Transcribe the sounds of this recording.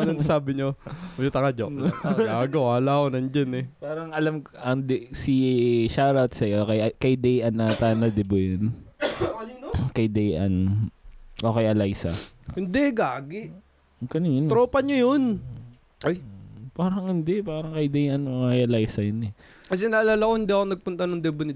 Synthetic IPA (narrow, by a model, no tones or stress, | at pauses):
nɐnsaːbɪɲojot̪ɐŋad͡ʒoʔɡaːɡowaːlaːkonɐnd͡ʒɐnɛpaːɾɐŋʔɐlɐmʔɐŋd̪siʃaːɾɐt̪sɐjʔoːkɐjɐkɐjd̪ɛjʔɐnːɐt̪aːnɐd̪ɪbojon | kɐjd̪ɛjʔɐ̰n | ʔoːkɐjɐlajsɐhɪnd̪ɛɡaːɡɪʔ | kɐnɪŋɐnɾoːpɐɲojon | ʔjpaːɾɐŋɪnd̪ɛpaːɾɐŋkɐjd̪ɛjʔɐnʔoːkɛjʔɐlajsɐjonɛ | kɐs̬ɛnalaːlakohɪnd̪iʔɐkonɐɡ̚pʊnt̪ɐnoŋd̪ɛbonɪ